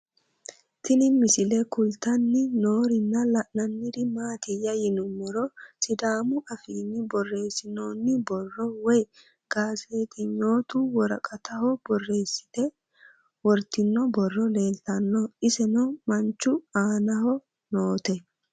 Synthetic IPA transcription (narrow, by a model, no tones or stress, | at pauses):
t̪ɪnɪmsɪlɛkʊlt̪ɐnːɪnoːɾɪnːɐlɐʔnɐnːɪd̪ɪmaːt̪ɪjɐjɪnʊnːɛɾɔsɪd̪aːmʊʔɐfiːnːɪbɔrːe̞ːsːɪnoːnːɪbɔrːɔwɔj | ɡ̥aːseːt̪ɪɲoːt̪uwɔɾɐkʼɐt̪ɐhɔbɔrːe̞ːsːɪ̥t̪ɛ | wɔɾt̪ɪnːɔbɔrːɔle̞ːlt̪ɐnːɔɪsɛnɔmɐnt͡ʃːʊaːnɐɦɔ | noːt̪ɛ